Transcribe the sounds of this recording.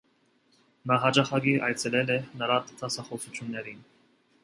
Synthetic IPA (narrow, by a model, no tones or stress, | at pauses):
nɑɦɑd͡ʒɑχɑɡiʔɑjt͡sʰɛlɛlɛnəɾɑt̪ʰɑsɑχɔsut͡ʃʰjunːɛɾin